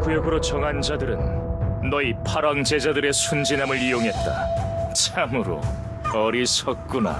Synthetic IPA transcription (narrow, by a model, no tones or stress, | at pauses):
ɡujʌɡɯɾot͡ɕʌŋɦand͡ʑadɯɾɯnːʌipʰaɾwaŋd͡ʑe̞d͡ʑadɯɾe̞sʰund͡ʑinamɯɾijoŋɦe̞t̚t͈a̰t͡ɕʰamɯɾo̰ | ʌɾisʰʌk̚k͈una̰